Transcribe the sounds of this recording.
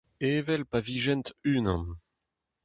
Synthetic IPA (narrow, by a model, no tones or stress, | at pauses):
eːvɛlpaviʒɛnt̪ynɑ̃n